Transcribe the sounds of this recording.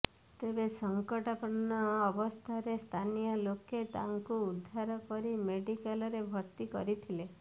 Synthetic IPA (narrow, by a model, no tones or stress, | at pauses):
t̪ebesɔŋkɔʈapɔɽnɔːbɔst̪ʰaɾest̪ʰanijɔloket̪a̰ŋkuːd̪ʱːaɾɔkɔɾimeɖikalɔɾebʱɔɾt̪ikɔɾit̪ʰile